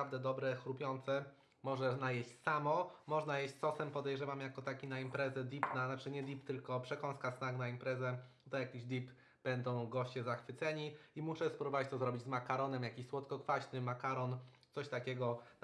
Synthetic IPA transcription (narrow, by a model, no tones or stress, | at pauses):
avd̪ɛd̪ɔbɾɛxɾupʲjɔnt̪sɛ | mɔʐɛnajeɕt͡ɕsamɔmɔʐnajeɕt͡ɕsɔsɛmpɔd̪ɛjʐɛvamjakɔt̪akʲinaimpɾɛzɛd̪ʲipnanat͡ʂɘɲɛd̪ʲipt̪ɘlkɔpʂɛkɔñskasnaknaimpɾɛzɛ | t̪ɔjakʲiʑd̪ʲip | b̥ɛnd̪ɔ̃w̃ɡɔɕt͡ɕɛzaxfɘt̪sɛɲiimuʂɛspɾɔvavat͡ɕt̪ɔzɾɔbʲid͡ʑʲzmakaɾɔnɛmjakʲiɕswɔt̪kɔkfaɕnɘmakaɾɔnsɔɕt̪akʲɛɡɔ